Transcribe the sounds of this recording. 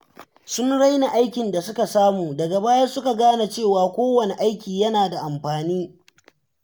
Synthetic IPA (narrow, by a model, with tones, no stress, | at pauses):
sʊ˦nɽa˦jna˨ʔa˦jkʲɪ˨nda˨sʊ˦ka˨saː˦muː˨dɐ˨ɡa˨baː˦ja˦sʊ˦ka˨ɡaː˦na˨t͡ʃeː˦˨waː˨kʷoː˦wɐ˨ne˨ʔa˦jkʲiː˨jɐ˦naː˨da˨ʔa˨mɸaː˨niː˦